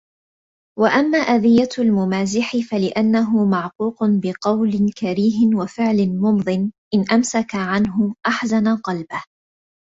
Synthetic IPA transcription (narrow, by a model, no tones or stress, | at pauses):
waʔamːaːʔad̪ɪjːaalmʊmaːzɪħɪfalɪʔanːaɦʊmaʕquːqʊnbɪqɑwlɪkaɾiːɦɪnwafɪʕlɪnmʊmðˤɨnʔɪnʔamsakaʕanɦʊʔaħzanaqɑlbah